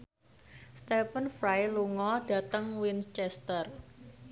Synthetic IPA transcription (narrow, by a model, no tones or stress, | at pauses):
st̪ɛpənfɾajluŋɔɖ̥a̤t̪əŋwinst͡ʃɛst̪ər